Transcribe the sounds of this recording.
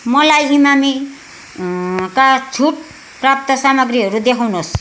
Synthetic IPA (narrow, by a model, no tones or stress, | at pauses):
mʌlajimami | kat͡sʰuʈ | prap̚t̪ʌsamʌɡriɦʌɾud̪ekʰawnos